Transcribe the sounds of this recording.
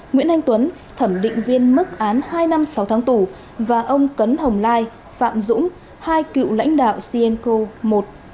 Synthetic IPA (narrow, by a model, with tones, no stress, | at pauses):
ŋwḭ˧˥ənʔjŋ̟t̪wə˨˦n | t̪ʰə˧˩mɗḭ̈˧˨ŋ̟vi˧ənmɨ˦˥k̚ʔaː˨˦nhaː˧jna˧msa˨˦wt̪ʰaː˨˦ŋt̪u˧˩ | vaː˨˩ʔə˧wŋ͡mkə˨˦nhə˨˩wŋ͡mlaː˧j | fa̰ː˧˨mzʊ̰˧˥ŋ͡m | haː˧jkḭ˧˨wla̰˧˥jŋ̟ɗa̰ː˧˨wsi˧ʔɛ˧nko˧mo˨˩t̚